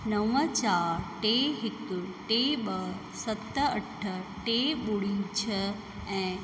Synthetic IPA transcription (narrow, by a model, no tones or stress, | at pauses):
nɐʋət͡ɕaːɾʈeɦɪkʊʈeːɓɐɦ | sɐt̪əɐʈʰə̆ʈeɓʊɽĩt͡ɕʰɐ | ɛ̃ː